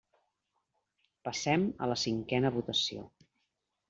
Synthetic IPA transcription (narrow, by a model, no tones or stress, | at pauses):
pəsɛmə̰ləsiŋkɛnəβut̪əsio̰